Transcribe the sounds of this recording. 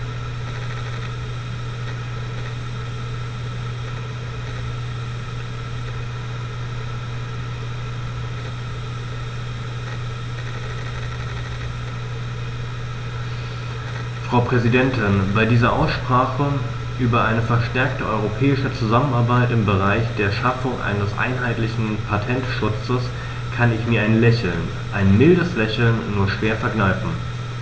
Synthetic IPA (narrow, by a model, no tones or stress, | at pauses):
fʁ̥aʊpʁ̥ɛzidɛntʰɪnbaɪdiːzɐʔa̰ʊsʃpʁ̥aːχə | ʔyːbɐʔaɪnəfɛɐʃtɛɐktəʔɔʏʁ̞opʰɛːɪʃət͡suzamənaɐbaɪtɪmbəʁaɪçd̥eːɐʃafʊŋʔa̰ɪnəsʔa̰ɪnɦaɪtlɪçn̩pʰatʰɛntʃʊt͡səs | kʰanɪçmiːɐaɪnlɛçl̩n | ʔaɪnmɪldəslɛçl̩nːuːɐʃv̥eːɐfɛɐɡnaɪfn̩